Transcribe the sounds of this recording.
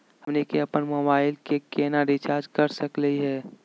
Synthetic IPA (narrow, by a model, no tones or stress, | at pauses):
ɦəmnekeɐpənmoːbaːɪlkekeːnaɾit͡ʃaːɾd͡ʒkəɾsəkləiɦɛː